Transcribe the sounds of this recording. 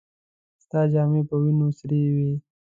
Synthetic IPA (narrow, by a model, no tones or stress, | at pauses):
st̪ɑːd͡ʒɑːmepəwinosɾewe